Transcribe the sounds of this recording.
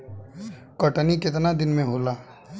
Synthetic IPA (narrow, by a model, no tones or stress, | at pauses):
kəʈnikɪt̪nad̪ɪnmẽɦoːlaː